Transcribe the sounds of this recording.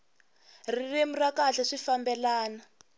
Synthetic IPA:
riremurakaɬaʂifambɛlaːna

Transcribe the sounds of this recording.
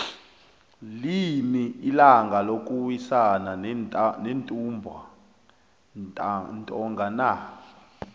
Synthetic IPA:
limiːlaŋɡʱalok̬ʼuwisananentʼumbʱa | ntʼɔŋɡʱana

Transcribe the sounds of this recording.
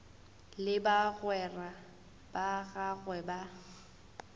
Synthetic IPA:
lɪbaɣwɛra | b̥aɣaɣwɛba

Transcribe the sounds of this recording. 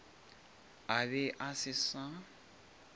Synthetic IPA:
aβɪʔasɪsa

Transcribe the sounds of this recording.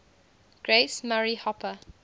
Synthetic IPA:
ɡ̥ɹesmaɹihɔpʰə

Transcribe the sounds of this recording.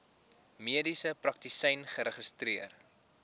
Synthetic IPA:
miədisəprɐk̚tisɛjnχəɾəχəstriər

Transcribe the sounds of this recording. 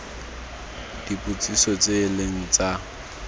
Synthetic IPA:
d̥ipʼut͡sʼisɔt͡sʼeːleŋ̩t͡sʼa

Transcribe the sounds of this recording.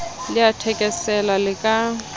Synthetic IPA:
lɪatʰɛkʼɛsɛlalɪkʼa

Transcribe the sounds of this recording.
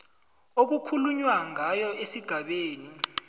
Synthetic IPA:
ok̬ukʰuluɲwaŋajɔʔesiɡ̥ʱaɓeːni

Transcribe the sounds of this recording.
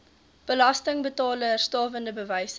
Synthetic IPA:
b̥əlɐstəŋbətɑːlərstɑːvəndəbəvəjs

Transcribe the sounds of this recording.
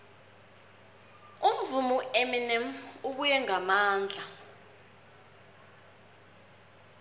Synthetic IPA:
um̩vumueminɛmuɓujɛŋamaːnd͡ɮʱa

